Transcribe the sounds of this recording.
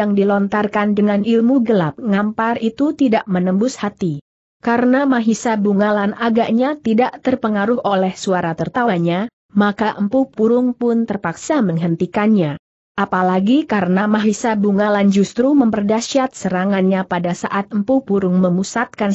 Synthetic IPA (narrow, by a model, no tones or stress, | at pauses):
jaŋdilɔnt̪arkandəŋanilmuɡəlap̚ŋamparit̪ut̪idaʔmənəmbʊshat̪i | kaɾənamaɦisabuŋalanaɡaʔɲat̪idaʔt̪ərpəŋaɾʊholɛhsuaɾat̪ərt̪aɲa | makaʔəmpupuɾʊŋpʊnt̪ərpaksaməŋɦənt̪ikanɲa | ʔapalaɡikaɾənamaɦisabuŋaland͡ʒust̪ɾuməmpərdaʃat̪̚səɾaŋanɲapadasa̰ʔat̪̚əmpupuɾʊŋməmusat̪̚kan